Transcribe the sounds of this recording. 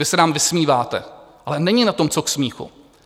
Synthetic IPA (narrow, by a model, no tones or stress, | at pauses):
ɪsɛnaːmvɪsmiːvaːt̪ɛ̰ʔalɛnɛɲɪnat̪o̞mt͡soksmiːxṵ